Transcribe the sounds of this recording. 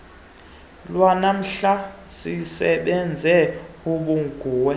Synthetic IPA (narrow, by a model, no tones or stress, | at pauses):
lwanam̩ɬasisɛɓɛnd͡zʱɛ | uɓuŋɡ̥ʱuːwɛ